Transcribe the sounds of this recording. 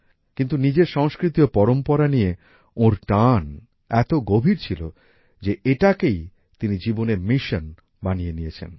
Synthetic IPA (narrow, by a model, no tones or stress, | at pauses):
kint̪unid͡ʑeɾʃɔŋskɾit̪iopɔɾompoɾanije | oɾʈan | ɛt̪oɡobʱiɾt͡ɕʰilo | d͡ʑeeʈakej | t̪inid͡ʑiboneɾmiʃon | banijenijet͡ɕʰḛn